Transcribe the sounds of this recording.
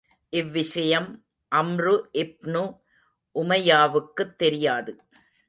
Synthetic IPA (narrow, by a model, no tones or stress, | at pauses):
ʔɪʋːɪʂɐjɐm | ʔɐmrɯʔɪp̚nu | ʔʊmɐjaːʋɯkːɯt̪ːɛɾɪjaːðɯ